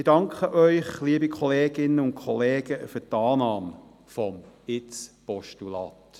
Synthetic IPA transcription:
ɪdɑŋkχəʔœʏχliəbikʰɔleːɡɪnːəʊntkʰχɔleːɡ̥əfyːtɑːnɑːm | fɔmɪt͡spɔʃtulɑ̰t

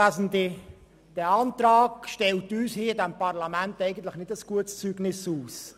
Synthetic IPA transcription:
æzn̩di | d̥ɛɑntɾɑːɡʃtɛltyːshiːɪdɛmpɑʁlamæntɛɪɡən̩t̪lɪχnɪdəsɡ̥uətst͡syːɡnɪsuːs

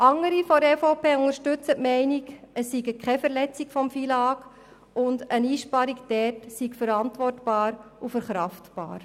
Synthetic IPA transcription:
ʔɑŋəɾifɔɾɛfopʰeːʊŋəɾʃtʏt͡sətmɛɪniɡəsːiɡəkχɛfəɾlɛt͡sikfɔmfilɑːɡ | ʊndəniːʃpɑɾikd̥ɛtsikfəɾɑntʋɔrtb̥ɑːɾufəɾχɾɑftb̥ɑ̰ːɾ

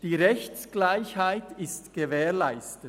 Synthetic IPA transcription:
d̥iːʁɛçt͡sɡ̥laɪçhaɪtɪstɡ̥əvɛːlaɪstə

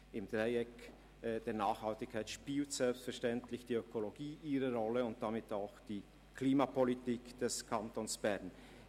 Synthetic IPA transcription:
ʔɪmd̥ʁaɪɛk | d̥eːɐnaːxhaltɪçkʰaɪtʃpiːltz̥ɛlpstfɛɐʃtɛntlɪçd̥iːøkʰoloɡiːʔiːʁəʁɔləʊnt̚d̥amɪtaʊxd̥iː | kʰliːmapʰolitiːkd̥ɛskʰantonsb̥ɛʁn

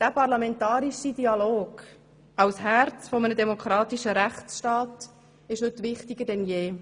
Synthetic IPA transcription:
d̥æpɑɾlɑmɛntɑːɾiʃidiɑloːɡ̥ | ɑwsɦæɾt͡sfɔmənədɛmokʰɾɑːt̪iʃəɾæχt͡sʃtɑːt | ɪʃhɵt̪ʋɪχtɪɡəd̥ɛnjeː

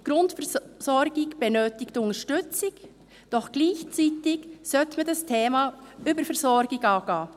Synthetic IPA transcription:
ɡ̥ɾʊntfɛsɔɾɡɪɡb̥ɛnøːtɪktʊŋəʃtʏt͡sɪɡ | d̥ɔχɡ̥liːçt͡siːtɪɡsœtmədɑstʰeːmɑʔyːbəɾfɛsɔɾɡɪɡɑːɡ̥ɑː

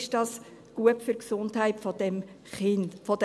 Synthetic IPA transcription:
ʃd̥ɑːs | ɡ̥uəpfyɾksʊndhæɪtfɔd̥ɛm | χɪnfɔd

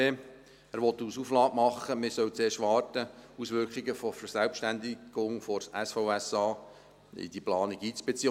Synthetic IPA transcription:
e | æːɾʋɔt̪ːuːsuflɑːtmɑχːəmɪsœwt͡seːʃʋɑːrtəusʋʏɾkχiɡəfofəɾsælpʃtænd̪iɡ̥ʊŋfɔɾsæsfɔʊɛsɑː | ḭd̥̪iplɑːniɡiːt͡sb̥et͡si

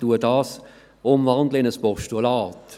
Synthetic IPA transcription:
tuədɑːs | ʊmvɑndləɪnəspɔʁʃtulɑːt

